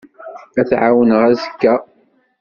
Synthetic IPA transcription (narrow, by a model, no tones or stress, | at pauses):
æθʕawənəʁæzəkːæ